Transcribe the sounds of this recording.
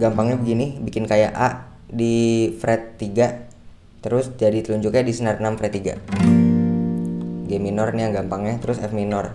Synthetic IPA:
ɡampaŋɲabəɡinibikɪnkaja̰ʔaʔ | difɾɛt̪ːiɡa | t̪əɾʊsd͡ʒadit̪əluɲd͡ʒʊkɲadisənarnamfɾɛt̪ːiɡa̰ | ɡeminɔrnijaŋɡampaŋɲat̪əɾʊsɛfminɔr

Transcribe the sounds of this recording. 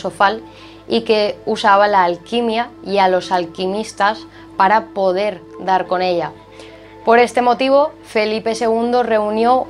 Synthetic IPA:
sofal | ike̞usaβ̞alaːlkimjaialo̞salkimist̪as | paɾapo̞ð̞e̞ɾd̪aɾkone̞ʎa | po̞ɾe̞st̪e̞mo̞t̪iβ̞o̞ | fe̞lipe̞se̞ɣ̞und̪o̞re̞unjo̞

